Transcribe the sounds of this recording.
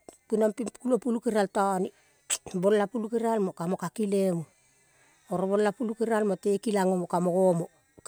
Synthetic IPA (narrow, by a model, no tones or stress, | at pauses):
pinampikulopulukeɾaltani | bollapulukeɾalmokamo̞kakilemu | oɾobolːapulukeɾalmote̞kilaŋomokamoɡomo